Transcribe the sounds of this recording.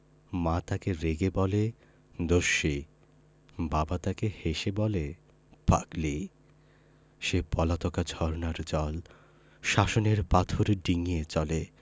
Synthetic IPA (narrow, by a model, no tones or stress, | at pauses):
mat̪akeɾeɡebɔle | d̪oʃːi | babat̪akeheʃebɔle | pa̰kli | ʃepɔlat̪ɔkad͡ʑʱɔɾnaɾd͡ʑɔl | ʃaʃoneɾpat̪ʰoɾɖiŋijet͡ɕɔle